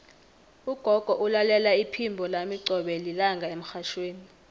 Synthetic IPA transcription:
uɡ̥ʱɔɡ̥ʱɔʔulalɛlaipʰimbʱɔlamiǀʱɔɓɛlilaŋɡʱaem̩xaʃweːni

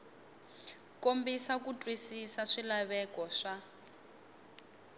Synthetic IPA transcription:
kombisakutʼwisisaʂilaβɛkɔʂa

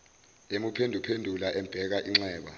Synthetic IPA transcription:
emupʰendʱupʰendʱulaʔɛmb̥ʱɛk̬aʔiŋ͡ǁɛːɓa̰

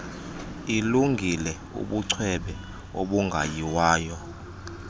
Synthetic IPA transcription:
iluŋɡʱilɛ | ṵɓuǀʰwɛɓɛ | oɓuŋɡʱa̰jiwaːjɔ

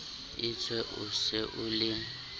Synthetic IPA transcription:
ɪt͡sʰwɛʔʊsɪʔʊlɪ

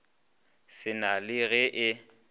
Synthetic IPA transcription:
sɪnalɪɣɛʔɪ

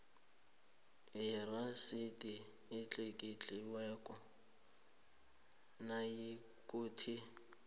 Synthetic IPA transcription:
ɪrasɪtʼɪ | ɪt͡ɬʼekʼɪt͡ɬʼɪwɛkʼɔ | najɪ | kʼʊːtʰɪ

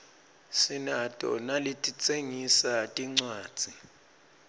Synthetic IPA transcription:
sinatʼɔ̰nalitʼit͡sʼeŋisatʼiŋ͡ǀwḁːd͡z̥ʱi

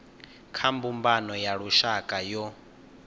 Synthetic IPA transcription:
kʰambumbanɔjaɺuʃakʼajɔ

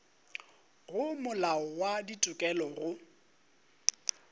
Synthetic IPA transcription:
ɣʊmʊlaɔwaditʼʊkʼɛlɔɣʊ

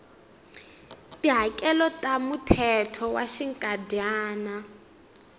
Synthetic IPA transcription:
tiɦakʼɛlɔtʼamutʰɛtʰɔwaʃiŋkʼadjaːna

